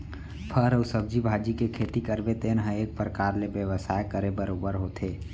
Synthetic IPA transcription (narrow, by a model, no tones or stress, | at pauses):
pʰəɾəʊsəb̚d͡ʒibʱaːd͡ʒikekʰeːt̪ikəɾbet̪eːnɦəeːk̚pɾəkaːɾlebjəʋəsaːekəɾebəɾoːbəɾɦoːt̪ʰeː